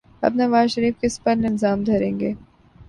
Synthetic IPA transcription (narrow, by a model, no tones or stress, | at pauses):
ɐ̰bnɐʋaːzʃɐɾiːfkɪspɐɾnɪlzaːmd̪ʱɐɾẽːŋɡeː